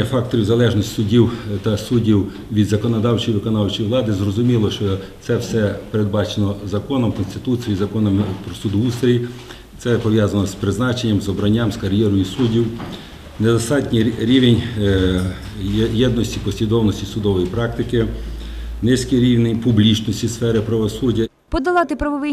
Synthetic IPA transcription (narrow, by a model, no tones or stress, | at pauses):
ɐfɑk̚t̪ɔɾʲiwzɐlˠɛʒnɔsʲtʲsʊdʲiwt̪ɐsudʲiw | ʋʲid̪zɐkɔnɔd̪ɑwt͡ʃɔjiʋɪkɔnɑwt͡ʃɔjʋlˠɑd̪ɪzrɔzʊmʲilˠɔʃt͡ʃɔ | sɛwsɛpeɾed̪̚bɑt͡ʃenɔzɐkɔnɔmkɔnst̪ɪt̪ut͡s̪ʲijizɐkɔnɔmpɾɔsud̪ʊust̪ɾʲi | t̪sɛpɔʋjɑzɐnɔspɾɪznɑt͡ʃenʲːɐmzɔbɾɐnʲːɑmskɐɾʲjɛɾɔjusudʲiw | nɛd̪ɔst̪ɑtʲnʲiɾʲiʋenʲ | jɛd̪nɔsʲtʲipɔsʲʋʲid̪ɔwnɔsʲtʲisʊd̪ɔʋɔjipɾɑk̚t̪ɪkɪ | nɪsʲkijɾʲiwnenʲpʊblʲit͡ʃnɔsʲtʲisfɛɾɪpɾɐʋɔsudʲːɐ | pɔd̪ɐlˠɑt̪ɪpɾɐʋɔʋɪ